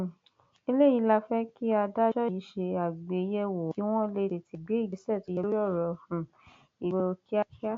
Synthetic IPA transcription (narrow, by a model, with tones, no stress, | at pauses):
i˧le˦˨i˨˧˦la˧fɛ˦ki˦a˧da˦d͡ʒɔ˦i˨i˨˦ʃe˧a˨ɡ͡be˨˧˦jɛ˦wo˨i˦w̃ɔ̃˦le˧ɾe˧ti˧ɡ͡be˨˦i˦˨ɡi˨˦sɛ˦˨ti˨˧˦je˧lo˦jɔ˦˨ɾɔ˧hũ˨ | i˨we˧o˧ki˦a˦ki˦a˦